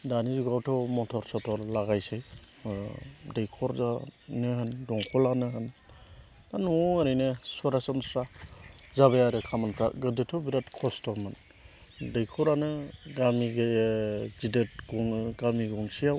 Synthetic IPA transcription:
danizuɡawtʰɔmɔtʰɔɾsɔtʰɔɾlaɡajsej | dejkʰɔɾzanɯɦɯndɔŋkʰɔlanɯɦɯn | anɔaɾijnɯsuaɾasamsɾazaβajaɾɯkʰamanpʰɾa̰ʔɡɯdetʰɔbiɾatkʰɔstʰɔmɯn | dɯjkʰɔɾanɯɡamiɡezidet̚ɡɔɡamiɡɔŋsijaw

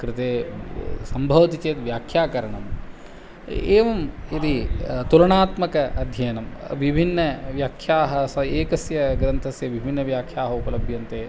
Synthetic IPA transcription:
kɾɪt̪eːsɐmbʱɐʋɐt̪it͡ʃeːt̪ʋjaːkʰjaːkɐɾɐɳɐm | eːʋɐmid̪it̪ulɐɳaːt̪mɐkɐʔɐd̪ʱjɐjɐnɐmʋibʱinːɐʋjaːkʰjaːɦɐsɐeːkɐsjɐɡɾɐnt̪ʰɐsjɐʋibʱinːɐʋjaːkʰjaːɦɐupɐlɐbʱjɐnt̪eː

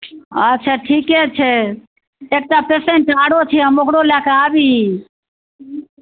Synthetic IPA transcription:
ət͡ʃʰaʈʰiːket͡ʃʰe | eːk̚t̪apeːsẽnʈaːɽot͡ʃʰeɦəmokɽolakaːbi

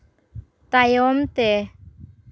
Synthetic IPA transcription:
t̪ajɔmt̪ɛ

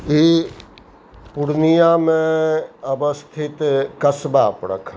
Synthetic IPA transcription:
i | puɽnijamẽəbəst̪ʰɪt̪kəsbaːpɾə̰kʰ

